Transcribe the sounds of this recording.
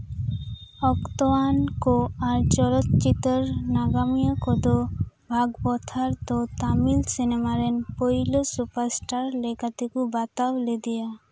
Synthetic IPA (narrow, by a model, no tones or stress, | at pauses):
ɔkt̪oankoaɾt͡ɕɔlot̪t͡ʃit̪eɾnaɡamijakod̪o | bʱaɡbɔt̪ʰaɾt̪ot̪amilsinemaɾenpojlosupaɾsʈaɾlekat̪ekubat̪awled̪ija